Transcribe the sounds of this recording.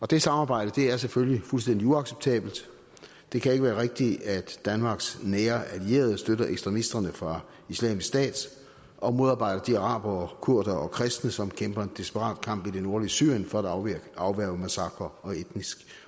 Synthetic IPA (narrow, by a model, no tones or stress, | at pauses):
ɒ̽d̥e̝sɑ̈mɑ̈ːb̥ɑ̈ɪ̰d̥əd̥e̝æɐseføljlifulsd̥en̰d̥iuɑ̈ɡ̥seb̥t͡sʰɛ̰ːb̥l̩d̥ | d̥e̝kʰæe̝ɡ̥əʋæːɐʁeɡ̥̚d̥iæd̥ːænmɑ̈ːɡ̥snɛːɐʔælie̝̰ːɐð̞ˠsd̥øɾɐʔeɡ̥sd̥ʁɛmisd̥ɐnəfʁɑ̈ | islɛ̰ːmisksd̥ɛ̰ːd̥ | ʔɒ̽mo̝ðˠɑ̈ːb̥ɑ̈ɪ̰ɾ̥ɐd̥iɑ̈ʁɑ̰̈ːb̥ɐɒkʰuɐ̰d̥ɐɒkʰʁɛsd̥nəsɒ̽mkʰemb̥ɐe̝nd̥isb̥əʁɑ̰̈ːd̥̚kʰɑ̈m̰b̥id̥e̝no̝ɐliəsy̰ɐ̰jənfɒ̽ædɑ̈ʊʋæɐʊəmæsɑ̈ɡ̥ʁɐɒ̽ed̥nisɡ̥